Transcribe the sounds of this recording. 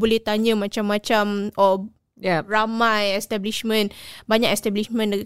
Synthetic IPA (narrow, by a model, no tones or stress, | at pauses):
bolɛht̪aɲə̃mãt͡ʃamːãt͡ʃamʔɔ | ramãjɛst̪abliʃmə̃nbaɲakɛst̪ɛbliʃmə̃nd